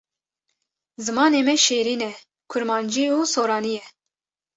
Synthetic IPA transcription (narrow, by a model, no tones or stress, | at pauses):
zɨmɑːneːmɛʃeːɾiːnɛ | kʰʊɾmɑːnd͡ʒiusoːɾɑːnijɛ